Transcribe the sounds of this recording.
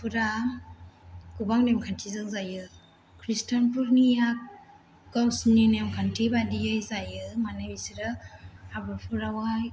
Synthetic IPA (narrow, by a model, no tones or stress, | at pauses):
pʰuɾa | kubaŋnemkʰantʰizɯkzajɯ | kʰɾistanpʰuɾnijak | ɡawsninemkʰantʰibadijɯjzajɯmanajbisiɾɯabɯpʰuɾawaj